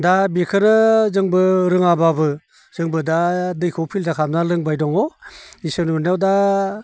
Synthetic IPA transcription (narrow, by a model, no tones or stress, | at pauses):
dabikʰɯnɯzɯŋbɯɾɯŋababɯ | z̥ɯŋbɯdadɯjkʰɔwpʰildakʰamnalɯŋbajdɔŋɔisɯnunawda